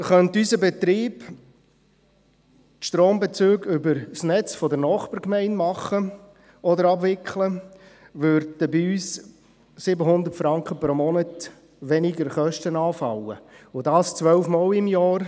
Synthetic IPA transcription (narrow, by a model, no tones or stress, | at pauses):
χœnt̪ysəbɛt̪ɾiːb | t̪ʃtɾoːmbɛt͡søːɡʏbəɾsnɛt͡sfɔdəɾnɑːχpəɾkmɛɪnmɑχːə | ɔd̪əɾɑbʋɪkχlə | ʋʏɾdəbiyːs | sɪbəɦʊnd̪ərtfɾɑŋkχəpɾomɔnət | ʋɛnɪɡəɾχœʃtənɑːfɑləʊdɑːst͡sʋœwfmɑːlɪmjɑːɾ